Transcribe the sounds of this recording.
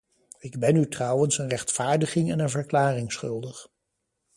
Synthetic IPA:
ɪɡbɛnytrʌwənsənrɛχtfaːɹdəχɪŋɛnənvəɹklaːrɪŋsχɵlˠdəχ

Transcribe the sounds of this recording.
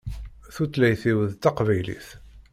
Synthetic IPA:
θut͡slæjθiwəðt̪ɑqvæjlḭθ

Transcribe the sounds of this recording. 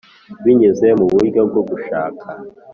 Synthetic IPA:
βiɲezemuβuɡab̚ɡo̞ɡuʃa̰ːkʰa

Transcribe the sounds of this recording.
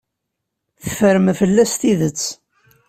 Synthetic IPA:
θəfəɾəmfəlːæst̪iðət͡sː

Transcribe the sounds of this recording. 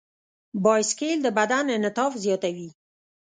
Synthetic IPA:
bɑjskeld̪əbad̪anənɪt̪ɑfzjɑt̪awi

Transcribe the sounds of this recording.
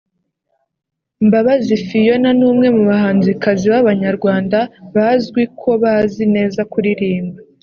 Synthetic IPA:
mbaβazifijo̞nanuːmŋe̞muβahaːnzikaziβaβaɲaɾɡwaːndaβazɡwikʰo̞βazine̞ːzakuɾiɾiːmba

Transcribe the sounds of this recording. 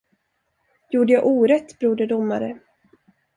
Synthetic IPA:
juːɖəjaʔuːɾɛt̪ːbɾuːɖəd̪ʊmːa̰ɾə

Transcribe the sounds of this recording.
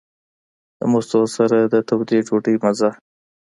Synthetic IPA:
d̪ə̰most̪osaɾad̪ət̪awd̪eʈ͡ʂoʈəjmaza

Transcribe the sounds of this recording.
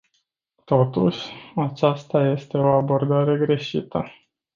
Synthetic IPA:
t̪o̞t̪uʃʲat͡ʃast̪aje̞st̪e̞o̞abo̞rd̪aɾe̞ɡɾe̞ʃit̪ə

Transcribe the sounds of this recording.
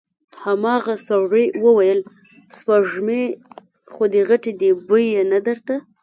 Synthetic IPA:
hamɑɣasawɾewəwajəl | spaʒme | xod̪əɣaʈed̪ebəjenad̪əɾt̪a

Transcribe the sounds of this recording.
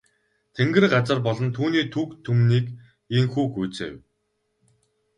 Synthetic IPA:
t̪ʰeŋɡɘ̆rɢat͡sə̆rpɔɮɞ̆nt̪ʰuːniːt̪ʰukt̪ʰːumniːk | iŋxuːxujt͡sḛːw

